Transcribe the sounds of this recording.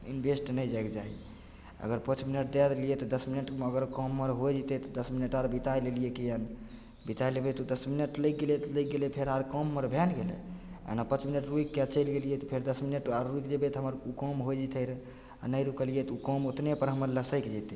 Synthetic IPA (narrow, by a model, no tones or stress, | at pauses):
ḭnbʱesʈnəjd͡ʒajkd͡ʒaɦḭ | ə̰ɡəɾpə̃t͡ʃʰminəʈ̚d̪ɛd̪lijet̪ɔd̪əsminəʈəɡəɾkɔmːəɾɦojd͡ʒit̪ɛt̪ɔd̪əsminəʈaɾbit̪ajlelijekejən | bit̪ajlebet̪ud̪əsminəʈlək̚ɡelet̪lək̚ɡelepʰeɾaɾkɔmːəɾbʱanɡelḛḛnapə̃t͡ʃminəʈɾuikːat͡ʃəjlɡelijet̪ɔpʰeɾd̪əsminəʈaɾːuikd͡ʒebet̪ɔɦəməɾukɔmɦojd͡ʒit̪əɾ | a̰nəjɾukəlijet̪ukɔmot̪nepəɾɦəməɾləsəjkd͡ʒɛt̪